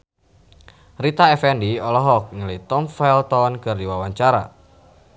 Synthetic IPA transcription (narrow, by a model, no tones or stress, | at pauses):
rit̪aɛfɛndiɔlɔɦɔk̚ŋələjt̪ɔmfɛlt̪ɔnkərdiwawaɲt͡ʃaɾa̰